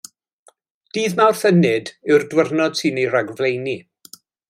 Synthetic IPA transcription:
d̥iːðnawrθənɨdɪwrdwərnɔd̥sɨːniɾaɡvlejni

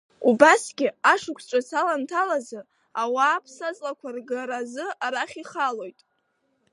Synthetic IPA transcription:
ubasɡʲɪaʂɨkʷʰʈ͡ʂʷʼasalantʰalazɨ | awaːpʰsazʼlakʷʰarɡaɾazɨaɾaχʲiχalo̞jtʼ

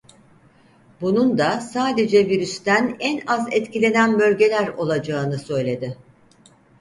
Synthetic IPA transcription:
bunund̪asaːd̪e̞d͡ʒɛviɾyst̪ʰænɛnazɛt̪cilʲe̞nænbø̞lʲɟe̞lʲæɾo̞lˠad͡ʒaːnɯsø̞jlʲe̞d̪ɪ

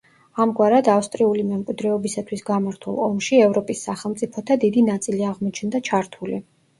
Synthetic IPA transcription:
amɡwaɾad̪afst̪ʼɾiulimɛmkʼwid̪ɾɛɔbisat̪ʰwisɡamaɾt̪ʰṵlˠɔmʃiɛvɾɔpʼisːaχɛlˠmt̪sʼipʰɔt̪ʰad̪id̪inat̪sʼiliaʁmɔt͡ʃʰnd̪at͡ʃʰaɾt̪ʰulḭ

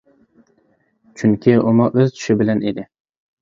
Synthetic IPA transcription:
t͡ʃʰʊŋkʲʰɪʊmɑʔɵzt̪ʰʊ̥ʃɪbɪlaned̪ɪ

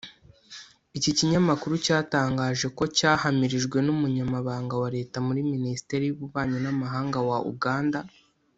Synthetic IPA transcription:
iciciɲamakuɾucaːtaːŋɡaːʒe̞ko̞caːhamiɾiʒɡwe̞numuɲamaβaːŋɡawaɾe̞ːtamuɾiminisi̥te̞ɾijuβuβaːɲonamaɦaːŋɡawaʔṵɡaːnda

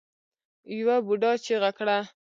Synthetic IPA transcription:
jwabuɖɑt͡ʃeɣakɽa

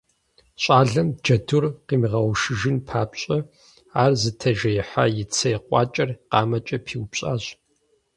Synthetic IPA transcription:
ɕʷʼaːɮɐmd͡ʒɐdurqiːmiʁɐwʃɪʒɪnpʰaːpɕʼɐ | aːrzɨtʰɐʒɐjɪħa̰ːjɪt͡sʰɐjɛqʷʼɑ̰ːt͡ʃʼɐrqɑ̰ːmɐt͡ʃʼɐpʰiːwpɕʼa̰ːɕ

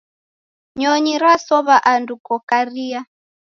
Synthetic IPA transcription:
ɲɔɲiɾasɔβaʔandukɔkaria

